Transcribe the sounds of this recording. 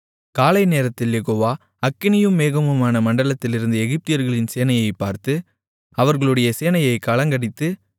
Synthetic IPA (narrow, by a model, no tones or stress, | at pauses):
kaːlɐɪneːɾɐt̪ːɪljɛɣoːʋaː | ɐkːɪnɪjɯmːeːɣɐmɯmaːnɐmɐɳɖɐɭɐt̪ːɪlɪɾɯnd̪ɯɛɣɪp̚t̪ɪjɐɾɣɐɭɪnseːnɐjɐɪpːaːɾt̪ɯ | ɐʋɐɾɣɐɭɯɽɐjɐseːnɐjɐɪkɐlɐŋɡɐɽɪt̪ːɯ